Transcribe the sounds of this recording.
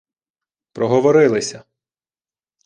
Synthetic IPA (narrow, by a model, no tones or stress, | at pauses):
pɾɔɦɔʋɔɾɪlˠɪsʲɐ